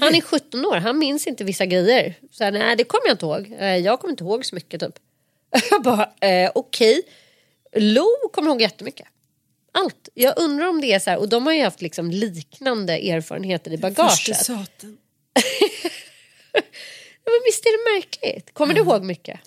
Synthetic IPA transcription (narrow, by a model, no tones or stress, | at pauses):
hanæɾɧɵt̪ːɔnoːɾɦanmɪnsɪnt̪əvɪsːaɡɾɛjːəɾsɔæːnæɪd̪ɛkʰɔmːəjaɪnt̪əhoːɡɛjɑːɡkʰɔmːɪnt̪əhoːɡsɔmʏkːət̪ʰy̰ːp | bɑɾaɛʔɔkʰɛj | luːkʰɔmːəɾhoːɡjɛt̪ːəmʏkːə̥ | ʔalt̪jɑːɡʔɵnd̪ɾaɾɔmd̪ɛæʂæːɾʔɔd̪ɔmhaɾjʏhaft̪lɪksɔmliːknand̪əʔeːɾfɑ̰ːɾə̰nheːt̪əɾɪbaɡɑɑːʂə̰t̪ː | jɑːmɛnvɪst̪æɖɛmæɾklɪ̰t̪kʰɔmːəɖɵɦoːɡmʏkʰːə̰